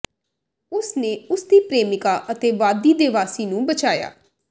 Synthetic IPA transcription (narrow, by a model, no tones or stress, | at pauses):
ʊsneːʊsd̪iːpɾeːmɪkaːʔət̪eːʋaːd̪iːd̪ɪʋaːsiːnũːbət͡ʃaːja̰ː